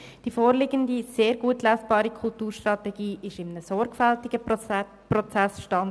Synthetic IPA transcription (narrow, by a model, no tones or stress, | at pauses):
d̥ifoːɾlɪɡəndiseːɾɡuətlæsb̥ɑːɾikʰʊltuːɾʃtrɑtɛɡ̥iːʔɪʃɪmənəsɔɾɡfaltɪɡ̥ə | prɔt͡sæsʃtɑn